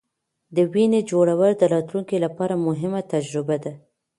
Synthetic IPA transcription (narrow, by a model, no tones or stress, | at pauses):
d̪əwined͡ʒoɽawəld̪əɾɑt̪luŋkilapɑɾamʊɦɪmat̪ad͡ʒɾɪbad̪a